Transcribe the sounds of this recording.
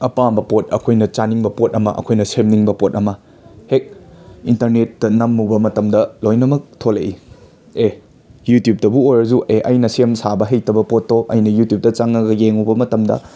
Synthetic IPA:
ɐpambɐpot̚ɐ̰kʰojnɐt͡ʃaniŋbɐpot̚ɐmɐ̰ʔɐ̰kʰojnɐsemniŋbɐpot̚ɐmɐ | hek̚intɐɾnetːɐnɐmːubɐmɐtɐmdɐlojnɐmɐk̚tʰoleʔi | e | jutjup̚tɐbuojɾɐzuʔeʔɐjnɐsemsabɐɦejtɐbɐpotːoʔɐ̰jnɐjutjup̚tɐt͡ʃaŋɐɡɐjeŋubɐmɐtɐmdɐ̰

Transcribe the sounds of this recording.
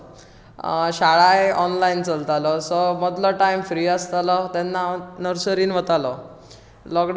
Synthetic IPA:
ɕaɭajɔnlaint͡səlt̪alɔsɔməd̪lɔʈaimfɾiːəst̪alɔt̪ɛnːanəɾsəɾiːnʋət̪alɔ | lɔkɖ

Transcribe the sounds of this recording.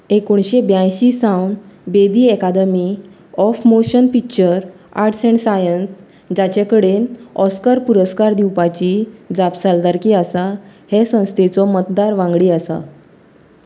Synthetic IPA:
ekoɳɕebjãjɕiːsawnbed̪iːɛkad̪əmi | ɔfmoɕənpikt͡ɕəɾ | a̰ɾʈsɛ̃ɳsajəns | d͡ʑat͡ɕekəɽenɔskəɾpuɾəskaɾd̪iwpat͡ɕiːd͡zapsald̪aɾkiːasahesə̃w̃st̪ʰet͡sɔmət̪d̪aɾʋãŋɡɽiːasa̰

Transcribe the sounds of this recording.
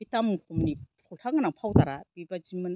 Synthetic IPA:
itamkʰumnipʰɔltʰaŋanaŋpʰawtaɾab̥ibad͡ʒiman

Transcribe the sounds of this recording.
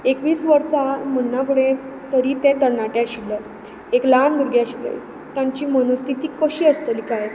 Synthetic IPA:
ekʋiːsʋəɾsamənakuɽẽ | t̪əɾit̪ẽt̪əɾnaʈjaɕilːə | ekland̪uɾɡjaɕilə̰j | t̪jãɲt͡ɕiːmənəst̪ʰit̪iːkəɕiːəst̪əlikaj

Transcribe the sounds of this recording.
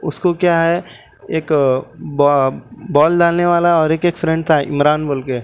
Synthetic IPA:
ʊskokjaɦɛ | eːkb | bɔːlɖaːlneʋaːlaɔːɾeːkeːkfɾɛ̃ɳɖ̚t̪ʰaɦɛʔɪmɾaːnboːlke

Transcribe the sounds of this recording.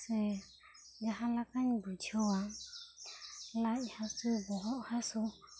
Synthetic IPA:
sɛ | d͡ʒaɦalakaɲibud͡ʒʰɔwa | laihasubɔɦɔhasu

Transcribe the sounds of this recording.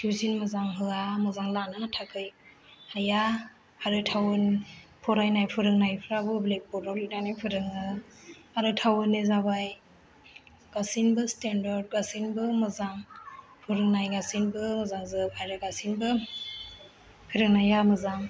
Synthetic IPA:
tʰiwzinmɯzaŋɦɯamɯzaŋlanɯnatʰakʰɯj | haja | aɾɯtʰawɯnpʰɔɾajnajpʰɯɾɯŋnajpʰɯɾabɯblek̚pɔdawlinanajpʰɯɾɯŋɯ | aɾɯtʰawɯnːɯzaβaj | ɡ̥asinbɯstendɔɾd̚ɡasinbɯmɯzaŋ | pʰɯɾɯŋnajɡasinbɯmɯzaŋzɯpajɾɯɡasinbɯ | pʰɯɾɯŋnajamɯzaŋ

